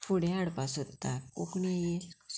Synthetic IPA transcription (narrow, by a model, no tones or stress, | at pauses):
fuɽeaɽpasot̪ːakukɳije